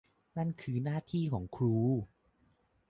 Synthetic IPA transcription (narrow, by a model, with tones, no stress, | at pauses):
na˥˩nkʰɯː˧naː˥˩t̪ʰiː˥˩kʰɔː˩˦ŋkʰɾuː˧